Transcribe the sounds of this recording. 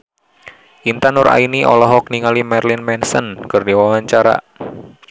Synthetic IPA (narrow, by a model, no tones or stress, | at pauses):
ʔint̪anʊɾa̰iniʔɔ̰lɔɦɔk̚niŋalimɛrlɪnmɛnsənkərdiwawaɲt͡ʃaɾa̰